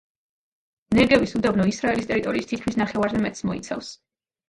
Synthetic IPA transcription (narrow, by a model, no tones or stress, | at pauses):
nɛɡɛvisud̪abnɔisɾaɛlist̪ʼɛɾit̪ʼɔɾiːst̪ʰit̪̚kʰmisnaχɛvaɾzɛmɛt̪smɔḭt̪sʰa̰fs